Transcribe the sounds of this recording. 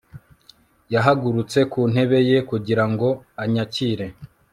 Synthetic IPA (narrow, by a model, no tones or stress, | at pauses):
jaɦaɡuɾut͡se̞kuːn̥he̞βe̞je̞kuɟiɾaŋɡo̞aɲaciːɾe̞